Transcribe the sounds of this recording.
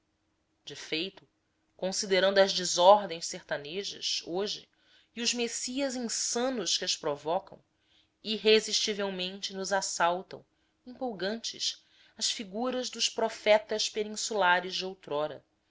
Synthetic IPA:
d͡ʒɪfejt̪ʊ̥ | kõsid̪eɾɐ̃nd̪ʊɐzd͡ʒɪzɔɦd̪ẽj̃sseht̪aneʒɐ̰ʃoʒɪ̰ | ɪʊzmesiɐzĩsɐ̃nʊʃkɪɐʃpɾovɔkɐ̰̃w̃ | iɦeziʃt͡ʃivewmẽnt͡ʃɪnʊzasawt̪ɐ̰̃w̃ | ĩmpowɡɐ̃nt͡ʃɪ̰ʃ | ɐsfiɡuɾɐzd̪ʊʃpɾofɛt̪ɐʃpenĩsulaɾɪzd͡ʒɪowt̪ɾɔɾɐ̰

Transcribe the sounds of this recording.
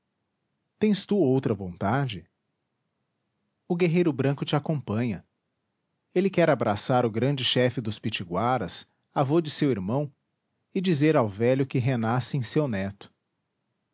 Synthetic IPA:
t̪ẽj̃st̪uowt̪ɾɐvõnt̪ad͡ʒɪ | ʊɡeɦejɾʊbɾɐ̃ŋkʊt͡ʃɪakõpɐ̃ɲɐ | elɪkɛɾabɾasaɾʊɡɾɐ̃d͡ʒɪʃɛfɪd̪ʊspit͡ʃiɡwaɾɐs | avod͡ʒɪsewiɾmɐ̃w̃ | ɪd͡ʒizeɾawvɛʎʊkɪɦenasɪẽj̃sewnɛt̪ʊ̥

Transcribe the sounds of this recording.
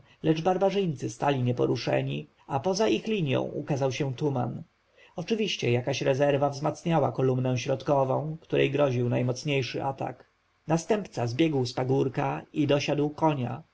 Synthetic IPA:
lɛʐbaɾbaʐɘjnt̪sɘst̪alʲiɲɛpɔ̰ɾuʂɛ̰ɲi | apɔzaʔixlʲiɲjɔ̰̃w̃ʔṵkazawɕɛ̃t̪uma̰n | ɔt͡ʂɘvʲiɕt͡ɕɛjakaɕɾɛzɛɾvavzmat̪sɲawakɔlumnɛ̃ɕɾɔt̪kɔvɔ̃w̃kt̪uɾɛjɡɾɔʑiwnajmɔt̪sɲejʂɘʔat̪a̰k | nast̪ɛmpt̪sazbʲjɛɡwspaɡuɾkaid̪ɔɕad̪wkɔɲa̰

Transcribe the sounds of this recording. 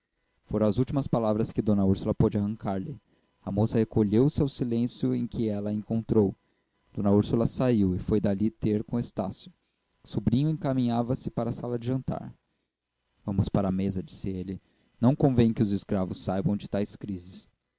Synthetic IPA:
foɾɐ̃ɐzuwt͡ʃimɐspalavɾɐskɪd̪õnɐuɾsulɐpod͡ʒɪaɦɐ̃ŋkaɾlɪ | ɐmosɐhekoʎewsɪawsilẽsjʊẽj̃kʰɪɛlɐẽŋkõnt̪ɾow | d̪̥õnɐuɾsulɐsaiwɪfojd̪alit̪eɾkõest̪a̰sjʊ | subɾĩɲʊẽŋkamĩɲavɐsɪpaɾɐsalɐd͡ʒɪʒɐ̃nt̪a̰ɾ | vɐ̃mʊspaɾɐːmezɐd͡ʒi̥sɪelɪ | nɐ̃w̃kõvẽj̃kɪʊzɪskɾavʊsːajbɐ̃w̃d͡ʒɪt̪ajskɾizɪs

